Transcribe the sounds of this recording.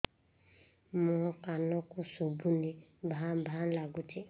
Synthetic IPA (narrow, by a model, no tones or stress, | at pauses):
mɔkanɔkusobunibʱabʱalaɡuti